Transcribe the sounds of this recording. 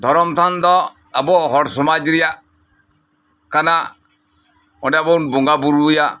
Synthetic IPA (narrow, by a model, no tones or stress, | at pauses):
tɔɾɔmtandɔ | abɔhɔɾsumad͡ʒiɾa | kana | ɔ̰ndɛabɔnbuŋɡabuɾuja